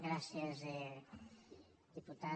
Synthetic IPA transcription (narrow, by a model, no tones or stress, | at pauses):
ɣɾasjɐze | d̪̥iput̪a